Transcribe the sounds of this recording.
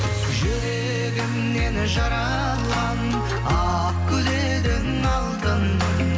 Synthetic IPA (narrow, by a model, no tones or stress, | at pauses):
ʒʏɾe | ɡʲɪmne̞nʒɑɾɑ | lˠʁɑn | ɑ | q̚kʲʰɵd̪e | d̪ɪŋ | ɑlˠd̪ən